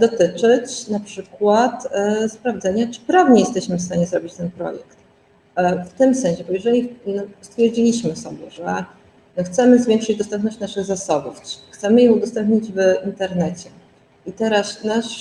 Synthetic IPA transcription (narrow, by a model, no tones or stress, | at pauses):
d̪ɔt̪ɘt͡ʂɘt͡ɕnapʂɘkwat̪spɾavd̪zɛɲat͡ʂɘ̥pɾavɲɛjɛst̪ɛɕmɘfst̪aɲɛzɾɔbʲit͡ɕt̪ɛnpɾɔ̰jɛ̰kt̪ | ft̪ɘmsɛ̃ɲ̃ɕɛbɔjɛʐɛlʲinɔst̪fʲjɛɾd͡ʑilʲiɕmɘsɔbʲjɛ̰ʐɛ | nɔxt̪sɛmɘzvʲɛŋkʂɘd͡ʑd̪ɔst̪ɛmpnɔɕt͡ɕnaʂɘɣzasɔbufxt̪sɛmɘjɛ̃wud̪ɔst̪ɛmpɲid͡ʑvint̪ɛɾnɛt͡ɕɛ | it̪ɛɾasnaʂ